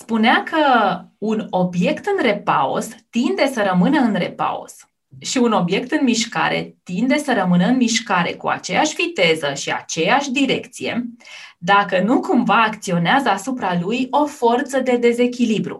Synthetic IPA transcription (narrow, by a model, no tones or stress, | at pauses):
spuneakʰəuno̞bje̞kt̪ɨnre̞pao̰st̪ind̪e̞səɾəmɨnəɨnre̞̰pa̰o̰s | ʃiuno̞bje̞k̚t̪ɨnmiʃka̰ɾe̞̰t̪ind̪e̞səɾəmɨnəɨnmiʃkaɾe̞̰kṵa̰t͡ʃe̞jaʃvit̪e̞zəʃia̰t͡ʃe̞jaʃʲd̪iɾe̞kt̪sije̞̰ | d̪akənukumvaːkt̪sio̞neazəasupɾalujo̞fo̞rt̪səd̪e̞d̪e̞ze̞kʲilibɾṵ